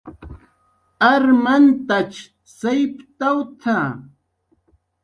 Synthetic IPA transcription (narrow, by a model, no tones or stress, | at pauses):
aɾmant̪at͡ʃ | sajpt̪awt̪ʰa